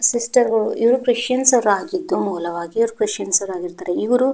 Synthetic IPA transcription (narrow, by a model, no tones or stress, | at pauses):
sisʈɐɾɡɐɭuiʋɾukɾiʃjɐnsɐʋɾuaːɡid̪ːumuːlɐʋaːɡiːʋɾukɾiʃjɐnsɐʋɾaːɡiɾt̪aːɾeiʋɐɾu